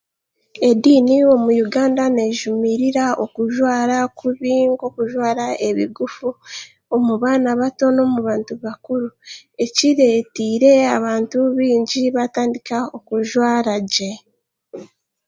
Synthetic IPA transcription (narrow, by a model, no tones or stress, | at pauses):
e̞diːnio̞mujuɡaːndane̞ːʒumiɾiɾaʔokuʒwaːɾakuβiːŋɡo̞kuʒwaːɾaeβiɡufu | omuβaːnaβato̞no̞ːmuβaːntuβakuɾue̞ciɾe̞ːtiːɾe̞aβaːntuβiːɲɟiβataːndikao̞kuʒwaːɾaɟe